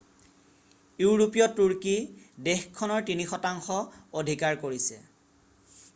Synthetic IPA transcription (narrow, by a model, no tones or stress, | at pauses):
juɹopijɔtuɹkidexkʰːɔnɔɹtinixɔtaŋxɔodʱikaɹkoɹisɛ̰